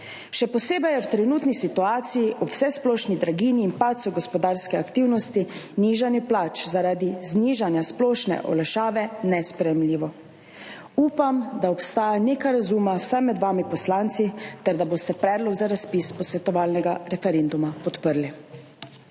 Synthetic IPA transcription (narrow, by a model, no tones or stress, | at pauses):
ʃɛpɔseːbɛjɛwt̪ɾɛnuːt̪nisit̪uaːt̪sijiʔɔwsɛsplɔːʃnid̪ɾaɡiːniːnpat̪sɔɡɔspɔd̪aːɾskɛakt̪iwnɔst̪iniːʒanjɛplat͡ʃzaɾaːd̪izniːʒanjasplɔːʃnɛ̰ʔɔ̰lɛʃaːʋɛnɛspɾɛjɛmliːʋɔ | uːpamd̪aɔpst̪aːjanekaɾazuːmawsajmɛd̪ʋaːmipɔslaːnt̪sit̪ɛɾd̪aboːst̪ɛpɾɛːd̪lɔɡzaɾaspispɔsʋɛt̪ɔʋaːlnɛɡaɾɛfɛɾend̪umapɔt̪pəɾli